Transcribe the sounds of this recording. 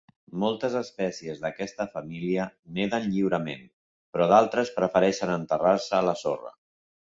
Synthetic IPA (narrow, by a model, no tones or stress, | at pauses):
mɔlˠt̪əzəspɛsiəzðəkɛst̪əfəmiliəneðənʎiwɾəmen | pɾɔðalˠt̪ɾəspɾəfəɾɛʃənənt̪əraɾsəːləso̰rə̰